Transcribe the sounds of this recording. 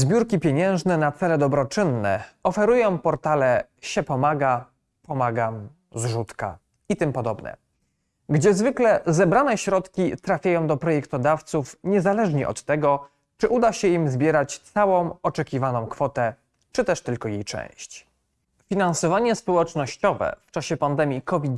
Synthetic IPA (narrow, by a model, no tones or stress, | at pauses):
zbʲjuɾkʲipʲjeɲɛ̃w̃ʐnɛnat̪sɛlɛd̪ɔbɾɔt͡ʂɘnːɛ̰ɔfɛɾujɔ̃w̃pɔɾt̪alɛɕɛpɔmaɡa | pɔmaɡam | zʐut̪ka̰ | it̪ɘmpɔd̪ɔbnɛ̰ | ɡd͡ʑɛzvɘklɛzɛbɾanɛɕɾɔt̪kʲit̪ɾafʲjajɔ̃w̃d̪ɔpɾɔjɛkt̪ɔd̪aft̪sufɲɛzalɛʐɲɛʔɔ̰t̪ːɛɡɔ | t͡ʂɘʔud̪aɕɛimzbʲjɛɾat͡ɕt̪sawɔ̃w̃ɔt͡ʂɛkʲivanɔ̃w̃kfɔt̪ɛ | t͡ʂɘt̪ɛʂt̪ɘlkɔjejt͡ʂɛ̰̃w̃ɕt͡ɕ | fʲinansɔvaɲɛspɔwɛt͡ʂnɔɕt͡ɕɔvɛ̰ft͡ʂaɕɛpand̪ɛmʲjikɔvʲit̪